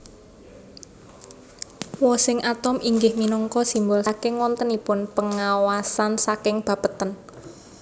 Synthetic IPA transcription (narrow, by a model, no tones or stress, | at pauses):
wɔsɪŋʔat̪ɔmʔiŋɡɪhminɔŋkɔsimbʊlakɪŋwɔnt̪ənipʊnpəŋawasansakɪŋb̥a̤pət̪ən